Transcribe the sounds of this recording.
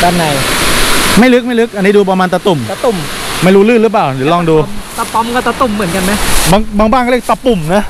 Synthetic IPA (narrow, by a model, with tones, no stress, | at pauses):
daː˧nːa˨˩˦j | ma˥˩jlɯ˦˥k̚ma˥˩jlɯ˦˥k̚ʔa˧nːiː˦˥duː˧pa˧maː˧nt̪a˧t̪u˨˩ma˧t̪u˨˩mma˥˩jɾuː˦˥lɯː˥˩lɯ˦˥p̬laː˨˩wdːlɔ˥˩ŋduː˧mt̪a˧pɔ˧˦mkɔː˥˩t̪a˧t̪u˨˩mːɯ˨˩˦nka˧nma˦˥jba˧ŋbaː˧ŋbaː˥˩ŋkːkt̪a˧pu˨˩mna˦˥